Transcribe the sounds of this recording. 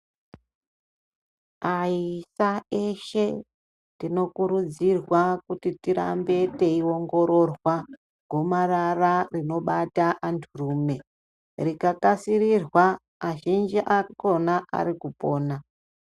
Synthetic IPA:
aisaeʃe̞ | tino̞kuɾud͡zirwakutitiɾa̰mbe̞te̞iwo̞ŋɡo̞ɾo̞rwa | ɡʱo̞marararino̞ɓataʔantʰuruːme̞ | rikakasirirwa | aʒind͡ʒiʔako̞naʔa̰ɾikupo̞ːna

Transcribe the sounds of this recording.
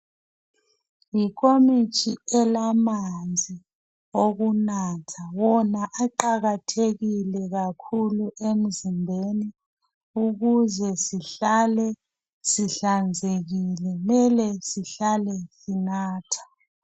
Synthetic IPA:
ikʰomit͡ʃʰʼiɛlamand͡zʱi | oɣunaːtʰawɔnaʔaǃaɣatʰeɣilɛɣakʰuluʔem̩zimbʱeni | uɣuzɛsiɬalɛ | siɬand͡zʱeɣilɛmɛlɛsiɬalɛsinaːtʰḁ

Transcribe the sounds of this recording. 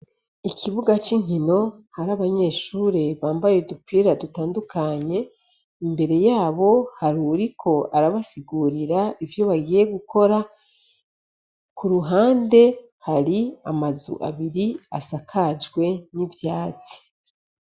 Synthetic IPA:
iciβuɡat͡ʃiŋ̥hino̞haɾaβaɲe̞ːʃuːɾe̞βaːmbajedupiiɾadutaːndukʰaɲe̞ | imbe̞ɾe̞jaːβo̞haɾuɾikʰo̞ʔaɾaβasiɡuːɾiɾaivjo̞βaɡiːje̞ɡukʰo̞ɾa | kuɾuɦaːnde̞ | haɾiamazṵʔa̰βiɾia̰sakʰad͡ʒɡwe̞nivjaːz̥i̥

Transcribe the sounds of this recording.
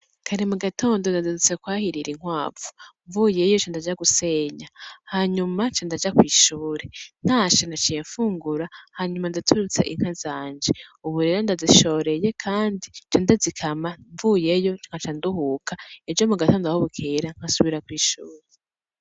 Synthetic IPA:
kʰaɾimuɡatʰo̞ːndo̞ndazizit͡sekwaːhiɾiɾiŋ̥waːvu̥ɱvuːje̞jot͡ʃondad͡ʒaɡuse̞ɲahaɲumat͡ʃondad͡ʒakwiːʃuːɾen̥haːt͡ʃonat͡ʃijeɱfuːŋɡuɾahaɲumandatʰuɾut͡se̞̰ʔiŋ̥hazaːɲd͡ʒeuβuɾe̞ːɾondaziʃo̞ːɾe̞je̞kʰaːndit͡ʃondazikʰamaɱvuːje̞jo̞t͡ʃŋ̥at͡ʃanduɦuːkʰaed͡ʒomuɡato̞ːndoahoβukʰeɾaŋ̥hasuβiɾakwiːʃuːɾe

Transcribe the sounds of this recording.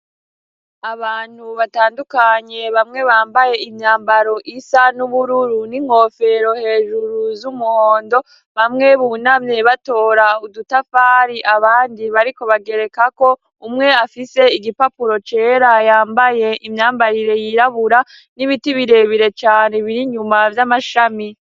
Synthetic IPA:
aβaːn̥huβataːndukaɲe̞βamŋe̞βaːmbaje̞imɲaːmbaɾo̞ʔisanuβuɾuɾuniŋ̥ho̞fe̞ɾo̞he̞ːʒuɾuzumuhoːndo̞ | βamŋe̞βunamɲe̞βato̞ːɾaudutafaɾiʔaβaːndiβaɾiko̞βaɡe̞ɾe̞kako̞ | umŋe̞afise̞iɡipapuɾo̞t͡ʃe̞ːɾajaːmbaje̞ʔimɲaːmbaɾiɾe̞jiɾaβuɾa | niβitiβiɾe̞βiɾe̞t͡ʃaːne̞βiɾiɲumavjamaʃami

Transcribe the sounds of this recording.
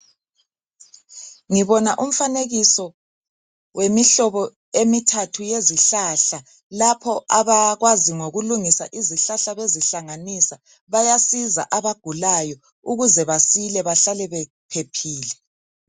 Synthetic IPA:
ŋiβɔnaʔum̩faneɣisɔ | wʔemiɬɔβɔ | emitʰatʰujeziɬaɬa | lapʰɔaβaɣwaziŋoɣuluŋisaʔiziɬaɬaβeziɬaŋanisa | βajasiza̰ʔaβaɡ̥ʱulajɔ | uɣuzɛβasilɛβaɬalɛβɛ | pʰepʰiːlɛ

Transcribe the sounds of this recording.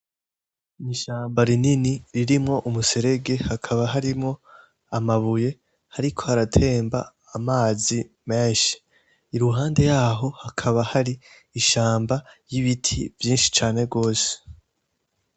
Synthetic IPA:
niʃaːmbaɾininiɾiɾimŋo̞ʔumuse̞ɾe̞ɡe̞hakʰaβaɦaɾimŋo̞ | amaβuje̞ | haɾikʰo̞haɾatʰe̞ːmba̰ː | maːzi | me̞ːʃi̥ | iɾuɦaːnde̞jaːɦo̞hakʰaβahaɾi | iʃaːmbajiβitʰivjiːnʃi̥t͡ʃaːne̞ɡo̞ːse̥

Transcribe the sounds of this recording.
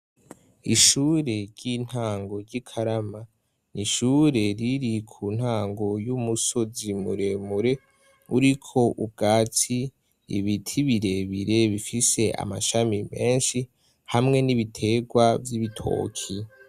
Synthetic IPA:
iʃuːɾe̞ɾɟin̥haːŋɡo̞ɾɟikʰaɾama | niʃuɾe̞ɾiɾikʰun̥haːŋɡo̞jumuso̞zimṵɾe̞muɾe̞ | uɾikʰo̞ʔub̚ɡaːt͡sḭː | βitʰiβiɾe̞βiɾe̞βifise̞ʔa̰maʃamime̞ːnʃi | hamŋe̞niβitʰe̞ɡwavjiβitʰo̞̰ːkʰi

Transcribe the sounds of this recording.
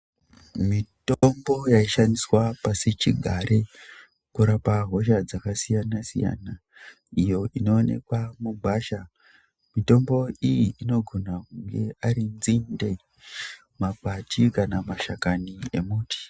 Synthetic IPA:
mitombojaiʃandiswapaset͡ʃiɡʱaɾʔe | kuɾapaɦo̞ʃad͡zakasijanasḭja̰na | ijo̞ʔino̞ːne̞̰kwamubʱaːʃa | mito̞mbo̞ijiʔːno̞ɡʱo̞nakuŋɡe̞aɾinzinde | mapatikanamaʃakanie̞muːtʰi̥

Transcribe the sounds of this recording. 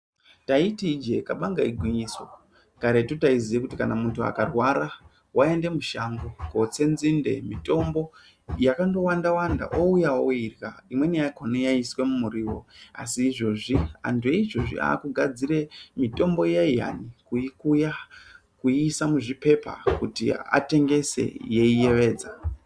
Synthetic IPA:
taitid͡ʒe̞kaɓaŋɡaiɡʱwiɲiso | kaɾetutaiziekutikanamuntua̰karwaɾa | wʔae̞nde̞muʃaŋɡoko̞t͡se̞nzinde̞̰mito̞mbo̞ | jakando̞wandawanda̰ʔoujaoirɣaimwe̞nijakonejaiswe̞mumuɾiːwo̞̰a̰siːʐo̞ʐia̰ntʰujeiʐo̞ʐḭa̰ːkuɡʱad͡ziɾemito̞mbo̞jaija̰nikuikuja | kuisamuʐipe̞pa̰kutḭa̰te̞ŋɡe̞se̞̰je̞ije̞ʋe̞ːd͡za

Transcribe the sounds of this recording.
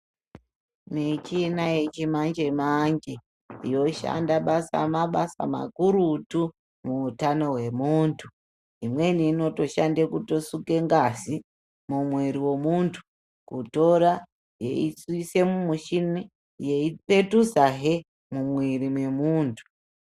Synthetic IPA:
mit͡ʃinaje̞t͡ʃimand͡ʒemaɲd͡ʒe | ijo̞ʃa̰ndaɓasa̰maɓasa̰ma̰kuɾutu | muːtano̞ɦwe̞muːntʰu | imwe̞niːno̞to̞ʃandekuto̞suke̞ŋɡazi | mumwiɾiwo̞muntʰu̥ | kuto̞ɾa | je̞̰isise̞mumuʃini | je̞ipe̞tuzaɦe | mumwiɾimwe̞muːntʰu̥

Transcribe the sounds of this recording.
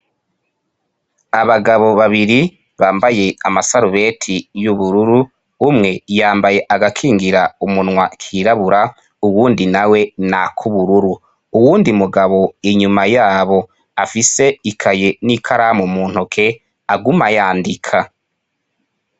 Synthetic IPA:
aβaɡaβo̞βaβiɾi | βaːmbaje̞amasaɾuβe̞tʰijuβuɾuɾuː | mŋe̞jaːmbaje̞ʔaɡakʰiːŋɡiɾaumunŋwakʰiːɾaβuɾa | uwuːndinawe̞nakʰuβuɾuɾu | uwuːndimuɡaβo̞iɲumajaːβo̞ | afise̞ikʰaje̞nikʰaɾamumuːn̥hokʰe̞ | aɡumajaːndikʰa

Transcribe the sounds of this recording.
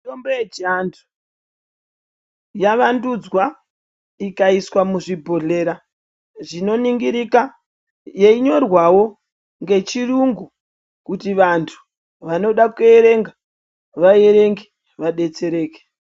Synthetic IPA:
tombojed͡ʒandʰu̥ | jaʋandud͡zwa | ikaiswamuʐibʱo̞ɮe̞ːɾa | ʐino̞niŋɡiɾika | je̞iɲo̞rwawo̞ | ŋɡe̞t͡ʃiruŋɡu | kutiʋantʰu̥ | ʋano̞ɗakoeɾe̞ŋɡa | ʋae̞ɾe̞ŋɡe | ʋaɗe̞t͡seɾe̞ːke̥

